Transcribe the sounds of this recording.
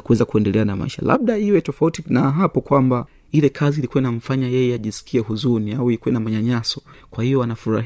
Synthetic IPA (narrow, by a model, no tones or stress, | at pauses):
kuwɛzakuɛndɛlɛanama̰iʃa̰la̰ɓɗaiwɛtɔfautinaɦapɔkwamba | ilɛkʰaziːlikuɛnam̩faɲajɛjɛaʄisi̥kʰiɛhuzuniawiikuwɛnamaɲaɲasɔkwahijɔanafuɾa̰